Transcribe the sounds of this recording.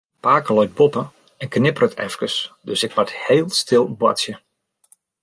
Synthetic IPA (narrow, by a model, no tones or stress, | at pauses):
paːkəlɔjt̚bɔpə | ɛnknɪpərətʰɛ̰fkəsdøsɪkʋɔtheːlˠstɪlˠbwa̰tsjə